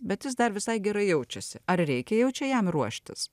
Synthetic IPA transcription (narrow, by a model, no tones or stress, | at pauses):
bʲɛt̪jɪs̬d̪ɐɾʋʲɪsɐɪɡʲɛɾɐɪjɛʊt͡ʃʲɛsʲɪɐɾɾʲɛɪkʲɛjɛʊt͡ʃʲɛjɛmɾuɔʃʲt̪ʲɪs